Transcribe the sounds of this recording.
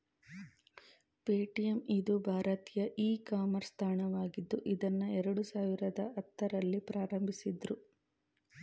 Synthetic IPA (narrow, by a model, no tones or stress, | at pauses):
peːʈijemid̪ubʱaːɾɐt̪ijɐʔiːkaːmɐɾst̪ʰaːɳɐʋaːɡid̪ːuʔid̪ɐnːuɛɾɐɽusaːʋiɾɐd̪ɐɐt̪ːɐɾɐlːipɾaːɾɐmbʱisid̪ɾu